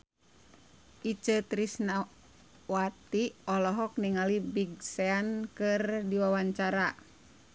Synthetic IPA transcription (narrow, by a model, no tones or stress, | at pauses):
ʔit͡ʃət̪ɾisna | wat̪iɔlɔɦɔk̚niŋalibiɡsɛankɨrdiwawaɲt͡ʃaɾa